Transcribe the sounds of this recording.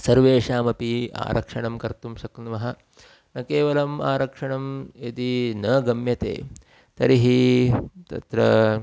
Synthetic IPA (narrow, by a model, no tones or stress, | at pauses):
sɐɾʋeːʂaːmɐpia̰ːɾɐ̰kʂɐɳɐmkɐɾt̪umʃɐknʋɐɦɐ̆ | nɐkeːʋɐlɐma̰ːɾɐkʂɐɳɐmid̪inɐːɡɐmjɐt̪ḛː | t̪ɐɾiɦit̪ɐ̰t̪ɾɐ